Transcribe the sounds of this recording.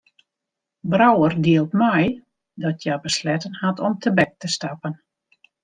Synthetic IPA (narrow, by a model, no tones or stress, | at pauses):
brawərdiəlˠtmɛj | dɔtʰjabəslɛtənhatʰɔmtʰəbɛk̚təstapən